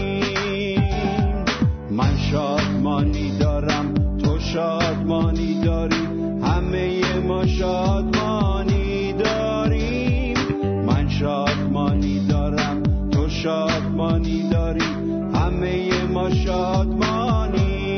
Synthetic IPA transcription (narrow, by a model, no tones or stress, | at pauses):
m | mænʃɒːd̪mɒːniːd̪ɒːɾæmt̪ʰoʃɒːd̪mɒːniːd̪ɒːɾiːm | hæmejemɒːʃɒːd̪mɒni | d̪ɒː | ɾi | m | mænʃɒːd̪mɒːniːd̪ɒːɾæmt̪ʰoʃɒːd̪mɒːniːd̪ɒːɾiːm | hæmejemɒːʃɒːd̪mɒːni